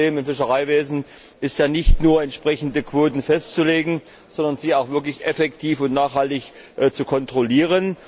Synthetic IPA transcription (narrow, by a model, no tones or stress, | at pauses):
eːmɪmfɪʃəʁ̞aɪveːzn̩ | ʔɪstjaːnɪçtnuːɐɛntʃpʁ̥ɛçn̩dəkv̥oːtn̩fɛstt͡suleːɡŋ̩ | z̥ɔndɐnziːaʊxv̥ɪɐk̬lɪçʔɛfɛktʰiːfʊntnaːχhaltɪç | ʔt͡sukʰɔntʁ̥oliːʁ̞ən